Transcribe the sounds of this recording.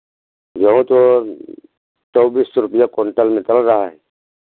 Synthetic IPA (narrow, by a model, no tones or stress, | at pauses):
d͡ʒɐɦũt̪o | t͡ʃɔːbisɾʊpəjakoɳʈəlmẽt͡ʃɐlɾaɦaɦɛ